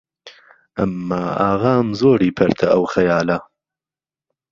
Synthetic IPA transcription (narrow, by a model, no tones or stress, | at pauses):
ʔɐmːaːa̰ːɣaːmzoːɾiːpʰɐɾt̪ʰɐʔɐwxɐjaːlɐ